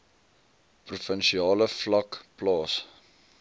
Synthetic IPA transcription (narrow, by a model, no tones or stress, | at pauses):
prufənʃiɑːləflɐkplɑːs